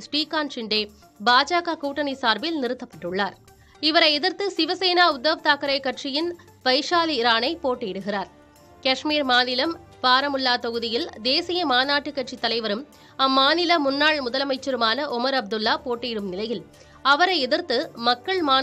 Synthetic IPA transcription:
sʈiːkːaːnt͡ʃɪɳɖeː | baːd͡ʒaːkakuːʈːɐnisaːɾbɪlnɪɾɯt̪ːɐpːɐʈːɯɭːaːɾ | ɪʋɐɾɐɪɛðɪɾt̪ɯsɪʋɐseːnaːʊd̪ːɐʋt̪aːkɐɾɐɪkːɐʈ̚t͡ʃɪjɪn | ʋɐɪʂaːliːɾaːnɐɪpoːʈːejɪɽɯɣɪraːɾ | kɐʂmiːɾmaːnɪlɐm | paːɾɐmʊlːaːt̪ɔɣɯðɪjɪld̪eːsɪjɐmaːnaːʈːɯkːɐʈ̚t͡ʃit̪ːɐlɐɪʋɐɾɯm | ɐmːaːnɪlɐmʊnːaːɭmʊðɐlɐmɐɪt͡ʃːɐɾɯmaːnɐʔɔmɐɾɐb̚d̪ɯlːaːpoːʈːejɪɽɯmnɪlɐjɪl | ɐʋɐɾɐɪɛðɪɾt̪ɯmɐkːɐɭmaː

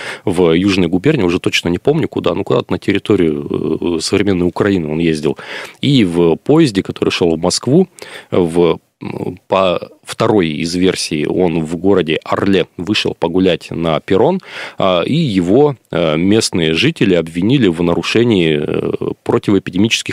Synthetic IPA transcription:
vjuʐnəjɡʊbʲernʲɪʊʐɛt̪ot͡ɕnənʲɪpo̞mnʲʊkʊd̪a̰nukʊd̪a̰t̪ənətʲɪɾʲɪt̪o̞ɾʲɪjʊsəvɾʲɪmʲe̞nːəjʊkɾɐinɨo̞njezʲdʲɪ̰lˠivpo̞ɪzʲdʲɪkɐt̪o̞ɾɨjʂo̞lˠvmɐskvuv | pɐft̪ɐɾo̞jɪ̰zvʲe̞rsʲɪ̰ːo̞nvɡo̞ɾədʲɪʔɐrlʲevɨʂɨ̰lˠpəɡʊlʲætʲnəpʲɪɾo̞n | ijɪvo̞mʲe̞snɨjəʐɨtʲɪlʲɪɐbvʲɪnʲilʲɪvnəɾʊʂɛnʲɪː | pɾotʲɪvəɪpʲɪdʲɪmʲit͡ɕɪ̥skʲɪx

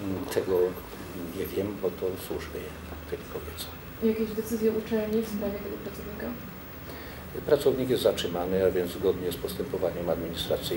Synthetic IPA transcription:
t̪ʰɛɡɔ | ɲɛvʲjɛmbɔt̪ɔswuʐmʲɛɛ | t̪ɛlʲikɔbʲjɛt̪sḁ | jakʲɛʑd̪ɛt̪sɘzʲjɛut͡ʂɛlɲifspɾavʲjɛt̪ɛɡɔpɾat̪sɔvɲika | pɾat̪sɔvɲik̬jɛst̪zatʂɘmanɘavʲjɛnzɡɔd̪ɲɛspɔst̪ɛmpɔvaɲɛmad̪mʲiɲist̪ɾat̪sɘ

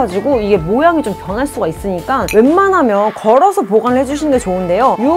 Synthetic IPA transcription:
ad͡ʑiɡoiɡe̞mojaŋit͡ɕompjʌnɦaɭs͈uɡais͈ɯɲik͈anwe̞nmanɦamjʌnkʌɾʌsʰʌpoɡanɯɭhed͡ʑuɕʰinnɡe̞t͡ɕoɯnde̞joju

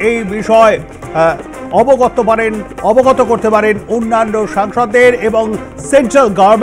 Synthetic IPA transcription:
ejbiʃɔe | ɔboɡɔt̪opaɾenɔboɡɔt̪okoɾt̪epaɾenonːanːoʃaŋʃɔd̪eɾeboŋ | senʈɾalɡaɾm

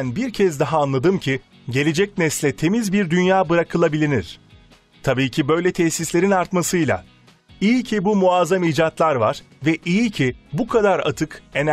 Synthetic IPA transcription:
nbiɾcʰɛzd̪aɦaːnlˠad̪ɯmcʰi | ɟe̞lʲe̞d͡ʒɛcnɛslʲɛt̪ʰe̞mizbiɾd̪ynjaːbɯɾakʰɯlˠabilʲiniɾ̝̥ | t̪ʰabiːcʰibø̞jlʲɛt̪ʰɛçsislʲe̞ɾinaɾt̪masɯjlˠa̰ | ijicʰibumuaːzamiːd͡ʒat̪lˠaɾva̰ɾ̥vɛʔijicʰibukʰad̪aɾa̰t̪ʰɯke̞n

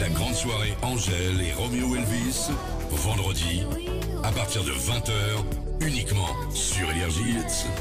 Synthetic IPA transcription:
laɡʁɑ̃d̪swaʁeʔɑ̃ʒɛleʁɔmeowɛlvis | vɑ̃d̪ʁəd̪i | apaʁt̪iʁd̪ə̰vɛ̃t̪œːʁ | ynikmɑ̰̃ | syʁenɛʁʒi

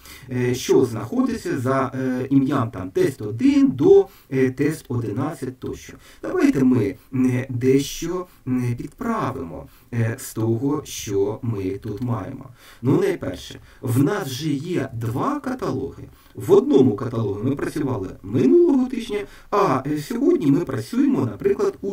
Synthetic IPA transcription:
ʃt͡ʃɔznɐxɔd̪ɪt͡sʲːɐzɐimʲjamt̪ɑmt̪ɛsʲt̪ɔd̪ɪnd̪ɔ | t̪ɛst̪ɔd̪ɪnɑt͡sʲːɐtʲt̪ɔʃt͡ʃɔ̥ | d̪̥ɐʋɑjt̪ɛmɪd̪ɛʃt͡ʃɔ | pʲid̪pɾɑʋɪmɔ̰ | st̪ɔɦɔʃt͡ʃɔmɪt̪ut̪mɑ̰jḛmɔ̰nunɐjpɛ̰rʃɛ̥ | wnɑsʒɛjɛd̪ʋɑkɐt̪ɐlˠɔ̰ɦɪ | ʋɔd̪̚nɔmʊkɐt̪ɐlˠɔɦɪmɪpɾɐt͡sʲʊʋɑlˠɪ̰mɪnulˠɔɦɔt̪ɪʒʲnʲɐ | ɐsʲɔɦɔdʲnʲimɪpɾɐt͡sʲujemɔnɐpɾɪklˠɐd̪u

